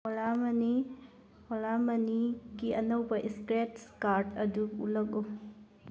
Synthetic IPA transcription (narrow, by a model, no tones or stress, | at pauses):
olamɐni | holamɐniɡiɐnɐwbɐʔiskɾetskaɾdɐduṵlɐko